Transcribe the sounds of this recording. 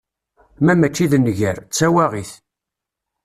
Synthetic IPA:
mæmæt͡ʃːiðnʝəɾt͡sːæwæʁiθ

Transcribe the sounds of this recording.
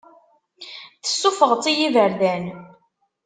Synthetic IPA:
θə̥sːufəʁt͡sːijivəɾðæn

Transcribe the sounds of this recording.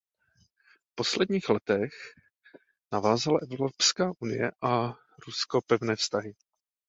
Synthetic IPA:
fpo̞slɛdɲiːxlɛt̪ɛx | navaːzalaʔɛvɾopskaːʔunɪjɛʔa | ɾuskopɛvnɛːfst̪aɦɪ

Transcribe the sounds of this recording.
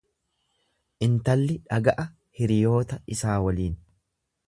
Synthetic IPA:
ʔɪnt̪ɐlːɪᶑɐɡɐʔɐ | hɪɾɪjo̞ːt̪ɐɪsaːwɐliːn

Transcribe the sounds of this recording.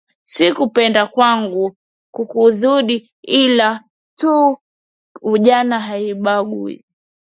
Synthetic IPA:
sikupɛndakwaŋɡu | kukuðuɗi | ila | tu | uʄanaɦaiɓaɡuḭ

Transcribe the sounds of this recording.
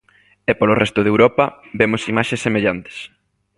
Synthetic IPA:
ɛpolorɛst̪ʊðewɾɔpɐbemʊsimaʃesːemeʎant̪ɪ̥s

